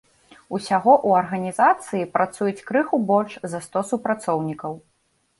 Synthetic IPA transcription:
usʲaɣɔʔuɐrɣɐnʲizat̪sɨjipɾat̪sujut͡sʲkɾɨxubɔlʲt͡ʂzɐst̪ɔsupɾat̪sɔwnʲikɐw

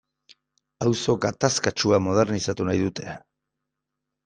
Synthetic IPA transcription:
awso̞ɡat̪askat͡ʃuamo̞ð̞eɾnisat̪unajðut̪e̞

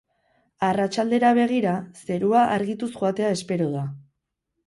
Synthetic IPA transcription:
arat͡ʃald̪e̞ɾaβ̞e̞ɣ̞iɾase̞ɾuaʔaɾɣit̪usʝuat̪e̞ae̞spe̞ɾoð̞a

